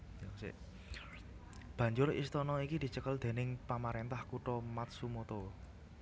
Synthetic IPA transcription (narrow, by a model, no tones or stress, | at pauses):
jɔsḛʔ | b̥ä̤ɲd͡ʒʊɾḭst̪ɔnɔikid̪̥i̤t͡ʃəkəld̪̥e̤nɪŋpamaɾent̪ahkuʈɔmat̪̚sumot̪o